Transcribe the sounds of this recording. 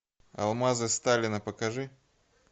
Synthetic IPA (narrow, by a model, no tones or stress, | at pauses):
ɐ̰lˠmazɨst̪alʲɪnɐpəkɐʐɨ